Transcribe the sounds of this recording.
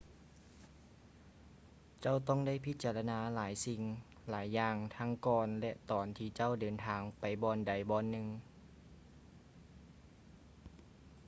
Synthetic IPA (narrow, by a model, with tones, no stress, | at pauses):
t͡ɕa˥˩˨wt̪ɔ˥˨ŋda˥˩˨jpʰi˧˥t̪̚t͡ɕaː˧la˧naː˧laː˩˦jsi˧˩ŋ | laː˩˦jːaː˧ŋt̪ʰa˧˥ŋkɔː˧nlɛ˧ʔt̪ɔː˨˩nt̪ʰiː˧˩t͡ɕa˥˩˨wdɤː˨nt̪ʰaː˨˧˩ŋpa˨˩jbɔː˧nda˨˩jbɔː˧˩nːɯ˧ŋ